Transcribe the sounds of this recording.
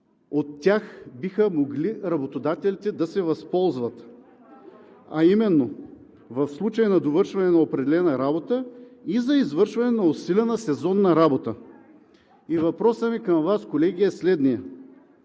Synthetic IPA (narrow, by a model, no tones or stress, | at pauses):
ot̪ːʲjaxbixəmoɡliɾɐbot̪od̪at̪ɛlʲit̪ɛd̪ɐsɛvɐspɔlˠzvɐt̪ | ɐ̰imɛnːo | vɐfslˠut͡ʃəjnɐd̪ovɤɾʃvɐnɛnɐopɾɛd̪ɛlɛnɐɾabot̪əizɐizvɤɾʃvɐnɛnɐosilʲɛnəsɛzɔnːɐɾabot̪ə | ivɐpɾɔsəmikɐmvaskolɛɡiɛslɛd̪nijɐ